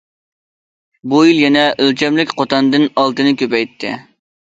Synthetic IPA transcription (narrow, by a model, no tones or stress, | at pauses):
bujilˠjɛnɛʔølt͡ʃʲʰɛmlɪkʲqʰot̪ɑnd̪ɨnɑlˠt̪ɨnɨkʲʰøpɛjt̪ʰːɪ̰